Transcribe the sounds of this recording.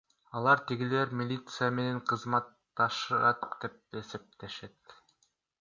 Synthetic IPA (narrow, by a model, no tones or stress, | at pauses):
ɑlˠɑɾt̪iɡile̞ɾmʲilʲit̪sɨjame̞ne̞ɴqʰɯzmɑt̪ːɑʃɯɾɑt̪d̪e̞p̚e̞se̞p̚t̪e̞ʃe̞t̪